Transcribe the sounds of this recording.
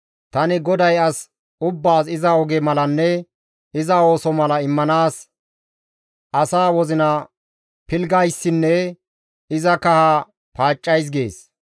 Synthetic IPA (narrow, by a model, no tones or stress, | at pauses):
t̪ɐnɪɡɔd̪ɐjɐs | ʊbːaːsɪzɐɔɡɛmɐlɐnːɛ | ɪzɐo̞ːsɔmɐlɐɪmːɐnaːs | ɐsaːwɔzɪnɐ | pɪlɡɐjsːɪnːɛ | ɪzɐkɐha | paːt͡ʃʼːɐjs̬ɡe̞̰ːs